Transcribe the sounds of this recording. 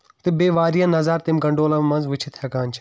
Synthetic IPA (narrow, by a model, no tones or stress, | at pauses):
t̪ibeːʋaːɾijãːnɐzaːɾt̪ɪmɡɐɳɖoːlãmmɐnzʋɪt͡ʃʰit̪ʰɐkaːnt͡ʃʰ